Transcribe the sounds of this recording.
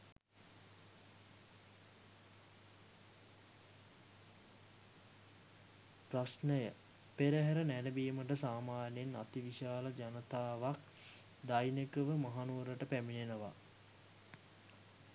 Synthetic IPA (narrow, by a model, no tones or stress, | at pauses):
prasnəjə | peɾəɦæɾənænəbiːməʈəsaːmaːnjena̰t̪iʋiʃaːləd͡ʒanət̪aːʋak | d̪ajnekəʋəmaɦanuːɾəʈəpæminenəʋa̰